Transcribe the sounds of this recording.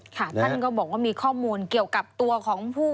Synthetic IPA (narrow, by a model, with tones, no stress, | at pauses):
kʰa˥˩t̪ʰa˥˩nkɔ˥˩wbɔː˨˩k̚waː˥˩miː˧kʰɔː˥˩muː˧nki˨˩əwka˨˩p̚t̪u˧ɐkʰɔː˩˦ŋpʰuː˥˩